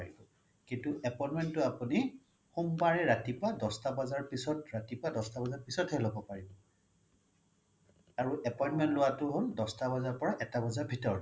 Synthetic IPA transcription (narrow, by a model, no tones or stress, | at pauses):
ɹibɔ | kintuɛpɔjnmɛntːʊapuni | xumpaɹɛɹatipɔadɔstabazaɹpisɔtɹatipɔwadɔstabazaɹpisɔtɦɛlobɔpaɹibɔ | aɹuʔɛpɔjntmɛntlʊwatʊɦoldɔstabazaɹpɔɹaʔɛtabazaɹbʱitɔɹ